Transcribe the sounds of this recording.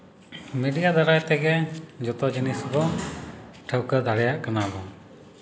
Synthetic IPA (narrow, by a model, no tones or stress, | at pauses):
miɖijad̪aɾajt̪ɛɡɛd͡ʒɔt̪ɔd͡ʒinisbɔ | ʈʰəwkəd̪aɽɛjaʔkanabɔ